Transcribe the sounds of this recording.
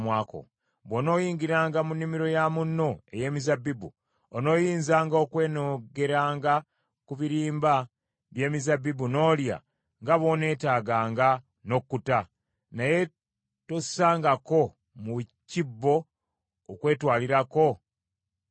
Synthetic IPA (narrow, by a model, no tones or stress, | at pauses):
mwaːko̰ | βono̞ːjiːɲɡiɾaːŋɡamunːimiɾo̞jamunːo̞e̞̰je̞ːmizabibṵ | ono̞ːjiːnzaːŋɡokwe̞ːnoɡe̞ɾaːŋɡa | kuβiɾiːmba | βje̞ːmizabːibuno̞ːlja̰ | ŋɡaβo̞ne̞ːtaːɡaːŋɡa | no̞kːuta | naje̞ | to̥saːŋɡako̞ | mucibːo̞ː | kwe̞ːtwaːliɾako̞